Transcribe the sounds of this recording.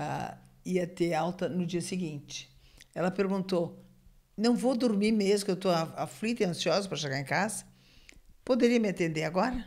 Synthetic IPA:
iɐt̪eawt̪ɐnʊd͡ʒiɐseɡĩnt͡ʃɪ̥ɛlɐpeɾɡũnt̪o | nɐ̃w̃vod̪oɾmimezʊkewt̪oaaflit̪ɪɐ̃siɔzɐpɾɐʃeɡaɾẽkazɐ̥ | pod̪eɾiɐmɪat̪ẽnd̪eɾaɡɔɾɐ

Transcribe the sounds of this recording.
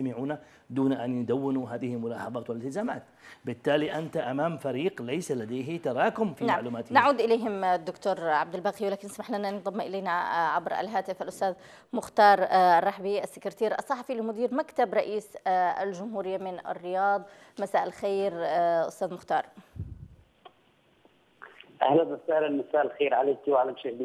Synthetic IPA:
amɪʕuːna | d̪uːnaʔanjd̪awːɪnuɦaːðɪhɪlmʊlaːħɑðˤɑːt̪wɪlɪlt̪ɪzaːmaːt̪bɪt̪ːaːliʔant̪aʔamaːmfaɾiːqlajsalad̪ajɦɪt̪ɑɾˤɑːkʊmfinaaʕluːmaːt̪naʕuːd̪ʔɪleːɦɪmd̪ːʊkt̪uːɾʕab̚d̪ɪlbaːqiwɪlaːkɪnsmaħlanand̪ˤɑmːʔɪleːnaʕabɾa̰lɦaːt̪ɪfʔalʔʊst̪aːð | mʊxt̪ɑːɾˤɑrˤːɑħbiʔasːɪkɾt̪iːɾʔɑsˤːɑħɑfilɪmʊd̪iːɾmakt̪abɾˤɑʔiːsa̰lʒʊmhuːɾɪjːamɪnʔa̰rːɪjɑːd̪ˤ | masaːʔɪlxeːɾʔʊ̰st̪aːðmʊxt̪ɑːɾˤ | ʔahlanasaːʔlɪlmasaːʔɪlxeːɾʕaleːkiwʕalamʃahd̪

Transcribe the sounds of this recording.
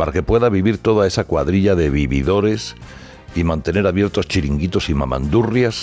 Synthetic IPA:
paɾake̞pwe̞ðaβ̞iβiɾt̪o̞ðae̞sakwaðɾiʎaðe̞βiβiðo̞ɾe̞s | imãnt̪e̞ne̞ɾaβje̞ɾt̪o̞st͡ʃiɾiŋɡit̪o̞sima̰ma̰nd̪urjas

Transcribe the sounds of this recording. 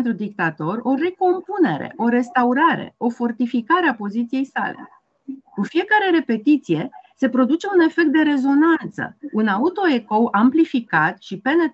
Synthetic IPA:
nt̪ɾud̪ik̚t̪at̪o̞ro̞reko̞mpune̞ɾe̞̰ʔo̞ɾe̞st̪auɾaɾe̞̰o̞fo̞rt̪ifikaɾeapo̞zit̪sije̞jsa̰lḛ | kufije̞kaɾe̞ɾe̞pe̞t̪it̪sijese̞pɾo̞d̪ut͡ʃe̞une̞fe̞k̚t̪̚d̪e̞ɾe̞zo̞nant̪sə̰unaut̪o̞e̞ko̞wamplifikat̪ʃipe̞ne

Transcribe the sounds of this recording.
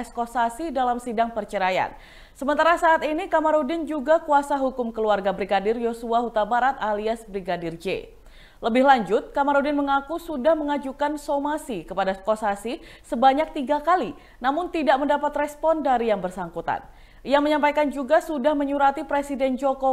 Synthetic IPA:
skosasidalamsidaŋpərt͡ʃəɾaja̰n | səmənt̪aɾasaːt̪inikamaɾodɪnd͡ʒuɡakuasaɦukʊmkəluarɡabɾiɡadɪrjosuaɦut̪abaɾat̪aliasbɾiɡadɪrd͡ʒḛ | ləbɪhlaɲd͡ʒʊt̪̚kamaɾodɪnməŋakusudahməŋad͡ʒukansomasikəpadaskosasi | səbaɲak̚t̪iɡakali | namʊnt̪idaʔməndapat̪rɛspɔndaɾijaŋbərsaŋkut̪a̰n | ijaməɲampajkand͡ʒuɡasudahməɲuɾat̪ipɾesidɛnd͡ʒoko

